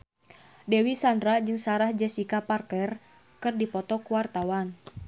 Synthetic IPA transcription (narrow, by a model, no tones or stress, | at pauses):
dɛwisandɾad͡ʒɨŋsaɾahd͡ʒɛsikaparkɛr | kɨrdipɔt̪ɔkuwart̪awan